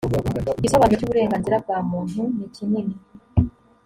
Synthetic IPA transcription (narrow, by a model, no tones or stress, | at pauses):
isoβanocuːβuɾe̞ːŋɡaːnziɾab̚ɡaːmuːn̥unicinimi